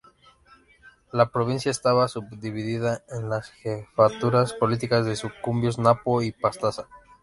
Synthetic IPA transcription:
lapɾo̞βinsjaest̪aβasubd̪iβiðiðaenlasxefat̪uɾaspo̞lit̪ikazðe̞sukumbjo̞znapoipast̪asa

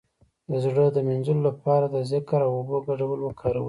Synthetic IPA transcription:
d̪əzɽəd̪əmɪnzəlolapɑɾad̪əzɪkɾawʊbəɡaɽawəlwəkʰɑɾawə

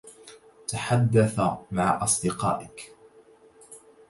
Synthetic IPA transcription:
t̪aħad̪ːaθamaʕʔɑsˤd̪ɪqɑ̰ːʔɪk

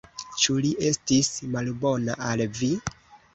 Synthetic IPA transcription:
t͡ʃuliʔe̞stismalbo̞naʔalvi

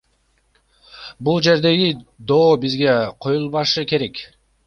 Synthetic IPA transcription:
bulˠd͡ʒe̞ɾd̪e̞ɡid̪o̞ːbizɡe̞qʰo̞julˠβɑʃɯke̞ɾe̞k

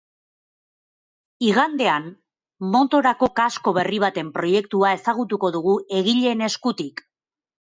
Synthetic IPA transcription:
iɣand̪e̞anː | o̞t̪o̞ɾako̞kasko̞β̞e̞riβ̞at̪e̞mpɾo̞je̞k̚t̪uae̞saɣ̞ut̪uko̞ðuɣ̞ue̞ɣiʎe̞ne̞skut̪ik

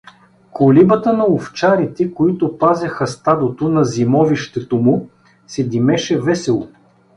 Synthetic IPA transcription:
kʰolibət̪ənɐoft͡ʃaɾit̪ɛkoit̪ʊpazʲɐxɐst̪ad̪ot̪onɐzimɔviʃt̪ɛt̪omʊ | sɛd̪imɛʃɛvɛsɛlˠo

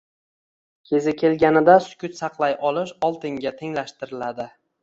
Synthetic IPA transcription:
kʲʰe̞zɪkʲʰe̞lɡʲanɪd̪asʊ̥kʲʰʊt̪sɑqlˠajʔɒlˠɪʃɒlˠt̪ɪŋɡʲat̪ʰe̞ŋlaʃt̪ɪɾɪlad̪ɪ

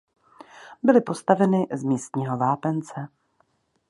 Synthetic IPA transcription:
bɪlɪpo̞st̪avɛnɪzmiːst̪ɲiːɦo̞vaːpɛnt͡sɛ

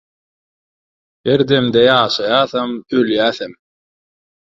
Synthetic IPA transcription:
eɾd̪emd̪ejɑːʃɑjɑːθɑmøljæːθem

